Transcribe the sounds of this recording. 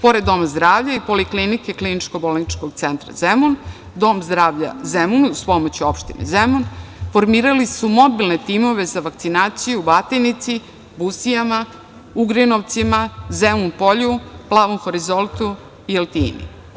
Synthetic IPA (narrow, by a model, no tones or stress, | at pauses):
po̞ɾed̪ːo̞mazd̪ɾaːʋʎaipo̞liklinike̞klinit͡ʃko̞bolnit͡ʃkoɡt̪se̞nt̪ɾa̰zemun | d̪o̞ːmzd̪ɾaːʋʎa̰zemunspo̞mot͡ɕio̞pʃt̪inḛzemunfo̞ɾmiːɾalisumo̞bilnet̪imo̞ʋe̞zaʋaktsinaːt̪sijubat̪enit̪si | busijama | uɡɾinoʋt̪simazemumpo̞ʎuplˠaːʋomfoɾizolˠt̪u | ielt̪ḭːnḭ